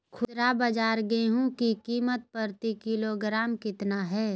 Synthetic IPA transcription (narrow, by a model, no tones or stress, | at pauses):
kʰʊt̪ɾabɐd͡ʒaːɾɡeeɦũkikiːmət̪̚pəɾt̪ikɪloːɡɾaːmkɪt̪naɦɛː